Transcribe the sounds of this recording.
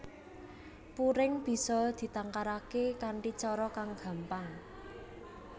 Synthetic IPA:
puɾɪŋb̥i̤sɔd̪̥i̤t̪aŋkaɾakekaɳʈit͡ʃɔɾɔkaŋɡ̥a̤mpaŋ

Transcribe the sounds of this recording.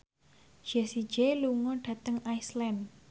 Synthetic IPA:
ʒ̥ɛsi̥d͡ʒeluŋɔɖ̥ä̤t̪əŋaislɛn

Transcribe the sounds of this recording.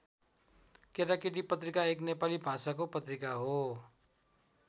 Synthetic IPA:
keɾakiʈipət̪ɾɪkaeːknepalibʱasakopət̪ɾɪkaɦo

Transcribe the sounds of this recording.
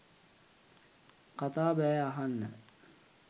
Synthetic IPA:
qat̪aːbæːaɦanːə̰

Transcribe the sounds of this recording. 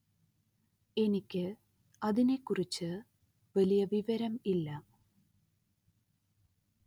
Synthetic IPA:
e̞nikʲːɨ | ɐðine̞kːurit͡ɕːɨ | ʋɐlijɐʋiʋɐɾɐmilːɐ

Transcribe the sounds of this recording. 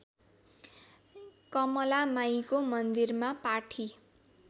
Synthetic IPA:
kʌmʌlamajkomʌnd̪irmapaʈʰi

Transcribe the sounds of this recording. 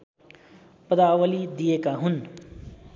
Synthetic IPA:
pəd̪awəlid̪ijekaɦun

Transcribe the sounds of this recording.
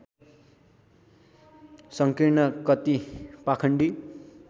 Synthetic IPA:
sʌŋkiɾnʌkʌt̪ipakʰʌɳɖi

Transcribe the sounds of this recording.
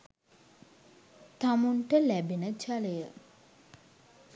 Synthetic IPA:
t̪amunʈəlæbenət͡ʃalejə

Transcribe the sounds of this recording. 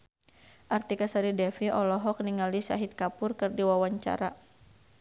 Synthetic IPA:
ʔart̪ikasaɾidɛfiɔlɔɦɔk̚niŋalisa̰ɦit̪̚kapʊrkɨrdiwawaɲt͡ʃa̰ɾa

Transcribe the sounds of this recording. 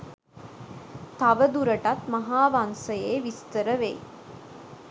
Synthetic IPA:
t̪aʋəd̪uɾəʈat̪mɐɦaːʋansəjeːʋist̪əɾəʋḛj

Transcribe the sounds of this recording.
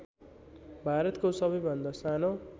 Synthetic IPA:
bʱaɾʌt̪kosʌbʌjbʱʌnd̪ʌsano

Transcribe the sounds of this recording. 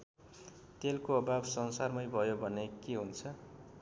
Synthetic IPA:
t̪elkoʌbabsʌnsarmʌjbʱʌjobʱʌnekeɦunt͡sʰʌ

